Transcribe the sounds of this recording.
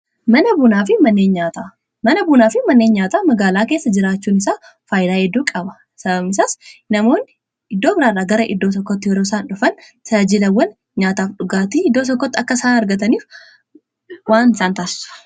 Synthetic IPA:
mɐnɐbʊnaːfɪmɐnːe̞ːnɲaːt̪a | mɐnɐbunaːfɪmɐnːe̞ːnɲaːt̪aːmɐɡaːlaːke̞ːsːɐd͡ʒɪɾaːt͡ʃːuːnɪsaː | faːjd̪aːhɛd̪ːuːkʼɐbɐ | sɐbɐmɪsaːsnɐmo̞ːnːɪ | ɪd̪ːo̞ːbɪɾaːrːaːɡɐɾɐʔɪ̰d̪ːo̞ːt̪ɔkːɔt̪ːɪjɛɾo̞ːsaːnᶑʊfɐn | sɐd͡ʒɪlɐwːɐn | ɲaːt̪aːfᶑʊɡaːt̪iɪd̪ːoːt̪ɔkːɔt̪ːɪɐkːɐsaːnɐɾɡɐt̪ɐniːf | waːnɪsaːnt̪aːsɪ̥sʊ̥

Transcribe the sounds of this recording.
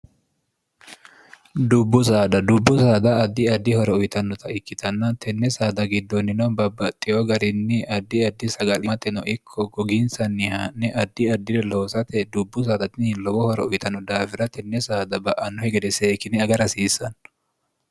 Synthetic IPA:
d̪ʊbːʊsaːd̪ɐd̪ʊbːʊsaːd̪ɐːd̪ːɪɐd̪ːɪhɔɾɛʊjt̪ɐnːɔt̪ɐɪkːɪt̪ʰɐnːɐt̪ʰɛnːɛsaːd̪ɐɡɪd̪ːɔnːɪnɐbɐbːɐt̪ʼːɪjoɡɐɾɪnːɪɐd̪ːɪɐd̪ːɪsɐɡɐlɪmɐt̪ʼːɛnɔʔɪkʰːɔɡɔɡɪnsɐnːɪhanːɛʔɐd̪ːɪɐd̪ːɪd̪ɛlo̞ːsɐt̪ɛd̪ʊbːʊs̬aːd̪ɐt̪ɪnlɔɡɔhɔɾɛ̰ʊjt̪ʰɐnːɔd̪aːfɪɾɐt̪ʰɛnːɛsaːd̪ɐbɐʔɐnːɔhɛɡɛd̪ɛseːkɪnɪɐɡɐɾɐsiːsɐn

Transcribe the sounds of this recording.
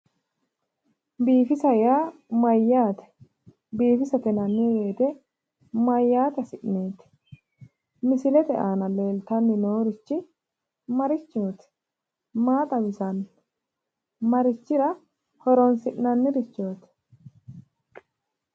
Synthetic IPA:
biːfɪsɐjaːmɐjːaːt̪ɛ̥ | biːfɪsɐt̪ɛnɐnːɪwe̞ːt̪ɛ | mɐjːaːt̪ɐsɪʔneːt̪ɛ̥ | mɪsɪlɛt̪ɛʔaːnɐle̞ːlt̪ɐnːɪnoːɾɪt͡ʃːɪ | mɐɾɪt͡ʃːoːt̪ɛ̥ | maːt̪ʼɐbɪsɐn | mɐɾɪt͡ʃːɪɾɐ | hɔɾɔnsɪʔnɐnːɪɾɪt͡ʃːoːt̪ɛ̥

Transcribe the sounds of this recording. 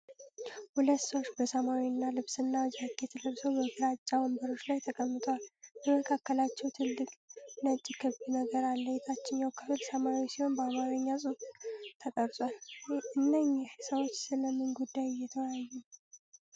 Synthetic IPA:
hulət̪ːsəwot͡ʃːbəsəmawinːalɨβsɨnːawd͡ʒakʰːet̪ʰəd̪əɾsəwbəfiɾat͡ʃʼːabəmbəɾo̞t͡ʃːlajt̪ʰəkʼəmːɨt̪ʰʼəwalbəməkʰakːəlat͡ʃːɛwt̪ʰɨlːɨkʼnət͡ʃʼːikʰɨβinəɡəɾalːəjɛt̪ʰat͡ʃːɪnjawkʰɨfɨlsəmawisiho̞nbəamaɾəɲːasʼɨft̪ʰət̪ʼəɾsʼwalɨnːəɲːɪhsəwo̞t͡ʃːsɨləmːɨnɡud̪ːajjɛt̪ʰəwjajːu

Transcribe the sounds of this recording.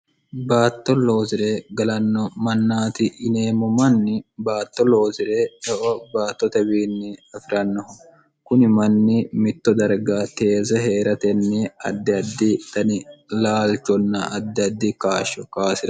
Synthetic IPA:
baːt̪ːɔlo̞ːzɪɾeːɡɐlɐnːɔmɐnːaːt̪ɪʔɪneːmɔmɐnːɪbaːt̪ːɔlo̞ːzɪɾeːɛʔɔbaːt̪ːɔt̪ɛbiːnːɪɐfɪɾɐnːɔhʊ | kʊnɪmɐnːɪmɪt̪ːɔd̪ɐɾɡaːt̪e̞ːzɛɦeːɾɐt̪ɛnːɛɐ̰d̪ːɪɐd̪ːɪt̪ɐnɪlaːlt͡ʃːɔnːɐɐd̪ːɪɐd̪ːɪkaːʃɔkaːsɪɾɐ

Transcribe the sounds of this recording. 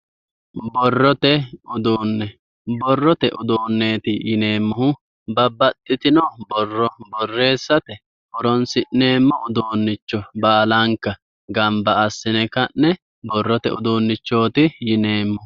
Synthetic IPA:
bɔrːɔt̪ɛʊd̪oːnːɛ | bɔrːɔt̪ɛʔʊd̪oːnːeːt̪ɪjɪne̞ːmːɔhʊ | bɐbːɐt̪ʼːɪt̪ɪnɔbɔrːɔbɔrːe̞ːsːɐt̪ɛ | bɔɾɔnsɪʔːe̞ːmːɔʊd̪oːnːɪt͡ʃːɔbaːlɐŋkːɐ | ɡɐmbɐɐsːɪnɛkɐnːɛ | bɔrːɔt̪ɛ̰ʊ̰d̪oːnːɪt͡ʃːo̞ːt̪ɪjɪne̞ːmːɔh

